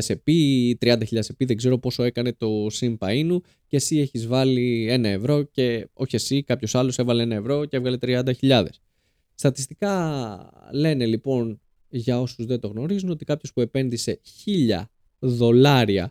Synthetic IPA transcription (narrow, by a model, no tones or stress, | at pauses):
se̞pit̪ɾiɐnd̪ɐçiʎɐðesepiðeɡze̞ɾo̞po̞so̞e̞kɐne̞t̪o̞simpɐinu | cesie̞çizvɐlie̞nɐe̞vɾo̞ce̞o̞çiesikɐpço̞sɐlo̞se̞vɐlee̞nɐe̞vɾo̞cevɣɐlet̪ɾiɐnd̪ɐçiʎɐðe̞sː | t̪ɐt̪ist̪ikɐ | le̞ne̞lipo̞n | ʝɐo̞suzðe̞t̪o̞ɣno̞ɾizuno̞t̪ikɐpço̞spue̞pe̞nðise̞çiʎɐ̰ | ðo̞lɐɾiɐ̰